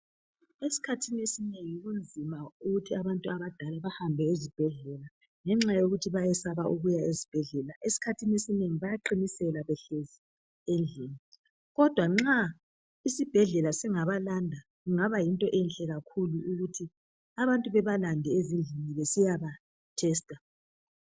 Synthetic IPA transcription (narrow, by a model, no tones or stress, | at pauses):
esi̥kʰatʰiniesineŋiuɣund͡zʱimauɣutʰiaβantʼuaβad̥ʱalaβahambʱɛezib̥ʱɛɮɛla | ŋɛŋ͡ǁajoɣutʰiβajɛsaβaʔuɣujaezib̥ʱɛɮɛlaʔesi̥kʰatʰinesineŋiβajaǃinisɛlaβɛɬezi | end͡ɮʱini | ɣɔd̥ʱwaŋ͡ǁa | isib̥ʱɛɮɛlasiŋaβalandʱa | ɣuŋaβajintʼɔʔɛnɬʼɛɣakʰuluuɣutʰi | aβantʼuβɛβalandʱɛezind͡ɮʱiniβesijaβa | tʰɛstʼa